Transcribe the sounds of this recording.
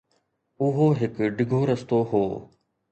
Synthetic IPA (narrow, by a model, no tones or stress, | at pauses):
ʊɦoɦɪkɖɪɡʱoɾəst̪oɦoː